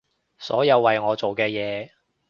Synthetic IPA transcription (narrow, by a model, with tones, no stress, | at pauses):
sɔ̰ː˨˥jɐ˨˧wːɐ˨jŋɔː˨˧t͡so˨wkɛː˧jɛː˨˧